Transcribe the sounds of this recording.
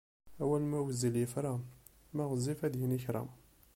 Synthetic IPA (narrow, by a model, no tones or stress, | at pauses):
æwælmæwəziljəfɾˤɑ | mæʁzifæd̪jəniçɾˤə̰m